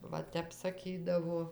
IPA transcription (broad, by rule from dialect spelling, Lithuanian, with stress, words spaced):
ˈʋɐ ˈtʲɛp sɐˈkʲiːdɐʋoː